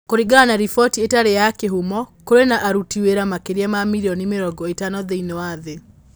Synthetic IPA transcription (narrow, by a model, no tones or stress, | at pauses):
koɾiɡanaɾifɔtietaɾejakeɦumɔkoɾenaʔaɾutiweɾamakeɾiamamiɾiɔnimeɾɔɡɔetanɔðeinewaðe